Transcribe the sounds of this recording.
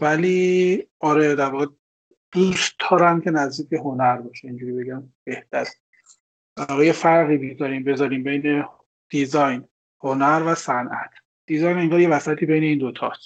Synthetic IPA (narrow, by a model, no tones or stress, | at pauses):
væliːʔɒːɾed̪æɾvɒːɣe | d̪̥usd̪ʰɒːɾæmcʰe̞næzd̪iːc̚be̞ɦo̞næɾbɒːʃeind͡ʒuːɾibe̞ɟæmb̥e̞ht̪ʰæɾe | d̪̥æɾɾvɔːɣejefæɾɣiːbizɒɾiːmbe̞zɒːɾiːmbe̞jne | d̪̥izɒjn | honæɾvæsænʔæt̪ʰ | d̪̥izɒjneŋɡɒːɾje̞væsæt̪ʰiːbe̞jne̞iːnd̪o̞t̪ʰɒ̰s